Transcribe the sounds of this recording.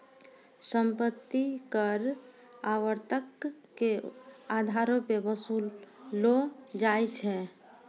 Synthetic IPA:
səmpət̪ːikəɾ | aʋəɾt̪əkː | ead̪ʱaɾõpebəsullod͡ʒajt͡ʃʰɛ

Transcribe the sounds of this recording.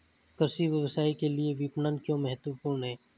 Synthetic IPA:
kəɾsiʋjəʋəsaːikelieʋiːpnənkjõːmɛɦət̪ʋəpuːɾɳɦɛː

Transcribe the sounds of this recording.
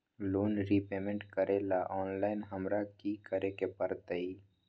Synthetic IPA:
loːnɾipeːmẽɳʈkəɾʔelaʔɔːnlaːɪnɦəmɾakikəɾekepəɐɾt̪əi

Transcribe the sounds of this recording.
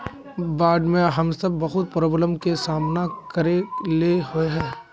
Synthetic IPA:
baːɖ̪mẽɦɐmsɐbːɐɦʊt̪̚pɾoːbləmkesaːmnakɐɾeleɦoeɦɛ̃ː

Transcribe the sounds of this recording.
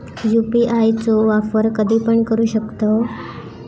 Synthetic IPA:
jupiʔajt͡soʋafəɾkəd̪ʱiːpəɳkəɾuːɕəkt̪o

